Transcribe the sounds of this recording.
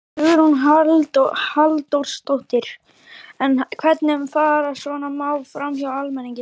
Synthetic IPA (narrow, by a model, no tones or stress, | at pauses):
ʏɾhunɦalt̪ɔhalt̪owɾst̪owht̪ɪɾ̥ | ɛnkʰvɛt̪nɪmfaːɾasvɔnamaːwlfɾamçawalmɛniɲcɪ